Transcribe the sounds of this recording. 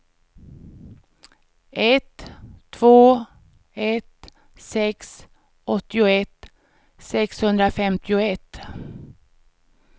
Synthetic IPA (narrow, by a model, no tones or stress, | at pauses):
ʔɛt̪ʰːvoː | ɛt̪ | sɛks | ʔɔt̪ːɪʊɛt̪ | sɛkshɵnd̪ɾafɛmt̪ɪʊɛt̪ː